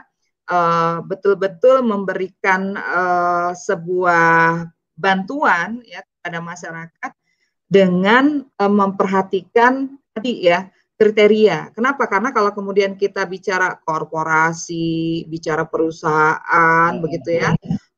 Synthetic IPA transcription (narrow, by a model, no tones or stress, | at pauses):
ʔəbət̪ʊlbət̪ʊlməmbəɾikanəsəbuah | bant̪uanjak̚əp̚adamaʃaɾakat̪̚ | dəŋanəməmpərɦat̪ikan | adija | kɾit̪eɾiakənapakarnakalakəmudiankit̪abit͡ʃaɾakorpoɾasibit͡ʃaɾapəɾusaɦaʔanbəɡit̪uja